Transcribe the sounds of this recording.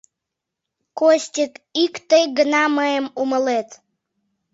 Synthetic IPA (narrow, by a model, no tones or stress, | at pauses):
kosʲtʲət̪ikt̪əjɡənɑməjəmuməlet̪